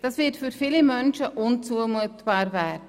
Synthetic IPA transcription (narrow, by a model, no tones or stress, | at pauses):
d̥ɑːsvɪtfyɾfilimœnʃəʔʊnt͡suəmuətb̥ɑːɾvɛːdə